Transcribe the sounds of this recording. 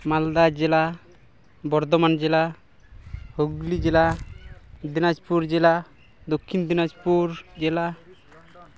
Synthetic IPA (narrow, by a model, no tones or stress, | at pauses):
mald̪ad͡ʒɛla | bɔɾd̪ɔmand͡ʒɛla | hoɡlid͡ʒɛla | d̪inad͡ʒpuɾd͡ʒɛla | d̪okʰːind̪inad͡ʒpuɾd͡ʒɛla